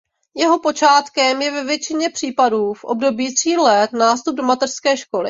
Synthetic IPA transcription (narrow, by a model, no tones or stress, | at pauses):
jɛɦo̞po̞t͡ʃaːt̪kɛmjɛvɛvjɛt͡ʃɪɲɛpr̝̥iːpaduːfʔob̚do̞biːt̪r̥iːlɛt̪naːst̪ub̚do̞mat̪ɛr̥skɛːʃko̞lɪ̰